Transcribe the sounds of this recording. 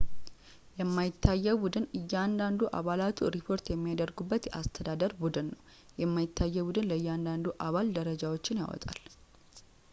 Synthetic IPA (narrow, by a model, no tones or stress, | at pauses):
jɛmːajɪt̪ːajːɛbud̪ɨnɨjːand̪and̪uʔa̰βalat̪ʰuɾipʰo̞ɾt̪jɛmːijad̪əɾɡubːət̪jɛʔast̪ʰəd̪ad̪əɾbud̪ɨnːəw | jɛmːajɪt̪ːajːɛbud̪ɨnləɨjːɛand̪and̪uʔaβald̪əɾəd͡ʒawot͡ʃːɪnja̰wɔ̰t̪ʼa̰l